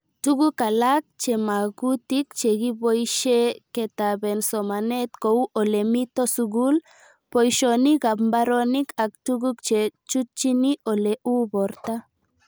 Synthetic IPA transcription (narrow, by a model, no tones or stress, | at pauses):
tuɣukalak̚t͡ʃemaɣut̪ik̚t͡ʃeɣiβojʃeket̪aβensomanet̪kowʔolemit̪osuɣul | pojʃoniɡambaɾonikak̚tuɡuk̚t͡ʃet͡ʃut̚t͡ʃiniʔoleʔuboɾt̪a